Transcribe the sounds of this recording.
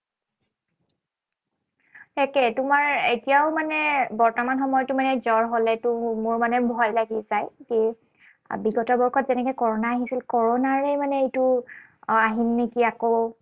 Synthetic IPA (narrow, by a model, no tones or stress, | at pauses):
ɛkɛtʊmaɹetijaʊmanɛbɔɹtɔmanxɔmɔjɔtːʊmanɛzɔɹɦolɛtʊmʊɹmanɛbʱɔjlaɡizajke | biɡɔtɔbɔɹkʰɔtzɛnɛkɔjkɔɹɔnaːɦisilkɔɹɔnaɹemanɛetʊ | aɦinːikiako